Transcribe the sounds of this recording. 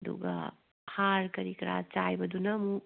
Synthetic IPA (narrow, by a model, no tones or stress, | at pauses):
d̪ṵɡa̰ | haɾkɐɾikɾa̰t͡ʃajbɐd̪unɐmu